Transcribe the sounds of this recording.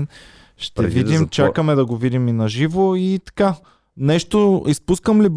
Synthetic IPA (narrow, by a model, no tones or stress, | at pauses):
n | ʃt̪ɛvid̪imt͡ʃakəmɛd̪ɐɡovid̪iminɐʒivoit̪ɐ̥ka | nɛʃt̪oispuskəmlib